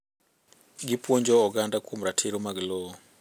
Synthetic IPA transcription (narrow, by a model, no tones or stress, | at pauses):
ɡipɔnd͡ʒɔɔɡandakʰumɾatʰiɾɔmaɡlɔɔ